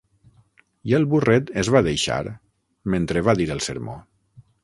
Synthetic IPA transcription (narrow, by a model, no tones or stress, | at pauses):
jelˠβurɛt̪ezβaðejʃa̰ɾ | ment̪ɾeβaðiɾəlˠsə̰ɾmo̰